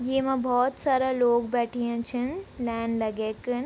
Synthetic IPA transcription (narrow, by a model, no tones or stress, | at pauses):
jeːmɐ̃bʱɔːt̪saːɾaloːɡbɛːʈʰijẽt͡ʃʰinlɛːnlɐɡeːkɨn